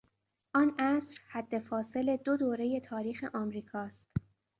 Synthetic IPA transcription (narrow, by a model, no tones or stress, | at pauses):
ʔɒːnæsɾhæd̪ːe̞fɒːse̞led̪od̪oːɾe̞je̞t̪ʰɒːɾiːxe̞̰ʔɒːmɾiːkʰɒːst̪